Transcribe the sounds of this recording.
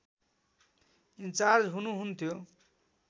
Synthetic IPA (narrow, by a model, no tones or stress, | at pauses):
int͡sard͡zɦunuɦunt̪ʰjo